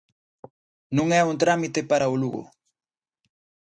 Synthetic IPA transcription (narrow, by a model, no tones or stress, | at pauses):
nʊŋaʊnt̪ɾamɪt̪epaɾaʊloɢo̰